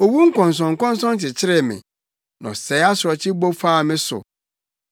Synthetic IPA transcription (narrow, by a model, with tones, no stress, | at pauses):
o˨wu˦ŋ̩˦kʰɔ̃˨n˨s̬ɔ̃˨ŋ̩˨kɔ̃˦n˦sɔ̃˦n˦t͡ɕɪ˨t͡ɕʰɪ˦ɾɪ˦mɪ̰̃˨ | nã̰˨sɛ˨˦a˦sʊ˨ɾɔ˨t͡ɕʰɪ˦bo˦faː˦˨mɪ̃˦sʊ̰˨